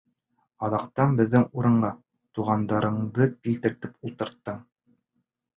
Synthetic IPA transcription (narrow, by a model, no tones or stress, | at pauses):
ɑðɑqt̪ɑnbɘ̆ðːɘŋuɾɤ̆ɴɢɑ | t̪uʁɑnd̪ɑɾɤ̆ɴðɤkilt̪ɘ̆ɾt̪ɘpulˠt̪ɤ̆ɾt̪ːɤm